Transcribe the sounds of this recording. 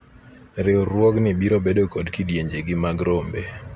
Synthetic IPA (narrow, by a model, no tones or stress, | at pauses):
ɾɪwɾwɔknɪbiɾobedokodkidjeɲd͡ʒeɡɪmaɡɾombe